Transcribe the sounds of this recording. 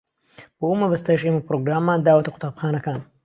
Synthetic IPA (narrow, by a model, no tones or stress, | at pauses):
boʔumɐbɐst̪ajʃʔemɐpɾoːɡɾaːmːaːnd̪aːwɐt̪ɐqʰʊ̥t̪aːbxaːnɐkaːn